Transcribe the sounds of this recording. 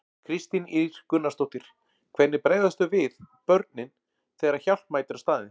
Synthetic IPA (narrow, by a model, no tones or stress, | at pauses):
kʰɾɪst̪iniɾ̥kʏnːast̪owht̪ɪɾ̥ | kʰvɛt̪nːɪɾpɾeːjðast̪ʏvɪðpœɾt̪̚nɪn | θɛːɾaçawl̥t̪maːjt̪ɾast̪aːðɪn